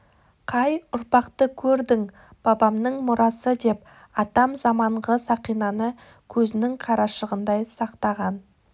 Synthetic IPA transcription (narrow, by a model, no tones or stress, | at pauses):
qʰɑjʊɾpɑqt̪əkʲʰɵɾd̪ɪŋ | b̥ɑbɑmnəɴmʊɾʔɑsəd̪e̞p | ɑt̪ɑmzɑmɑɴʁəsɑqijnɑnə | kʲʰɵzɪnɪŋqʰɑɾɑʃəʁənd̪ɑjsɑqt̪ɑʁɑn